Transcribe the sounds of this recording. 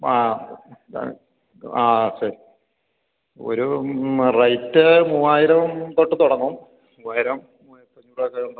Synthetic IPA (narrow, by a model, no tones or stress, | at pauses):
a̰ː | aːsɐɾi | o̰ɾurɐjtːɨmuːaːjiɾɐmt̪oʈːɨt̪uɽɐŋːɐm | muːaːjiɾɐmː | u | pːɐɲːuɽɐkːɐuɳɖ